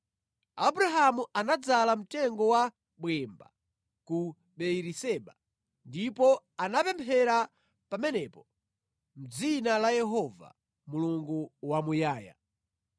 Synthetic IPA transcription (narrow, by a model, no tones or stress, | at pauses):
abuɾaɦamuanad͡zalam̩tɛŋɡɔwa | ɓwɛmba̰ | ku | ɓɛiɾisɛɓa | ndipɔ | anapɛmpʰɛɾa | pamɛnɛpɔ | m̩d͡zinalajɛɦɔva̰ | muluŋɡuwamujaːja̰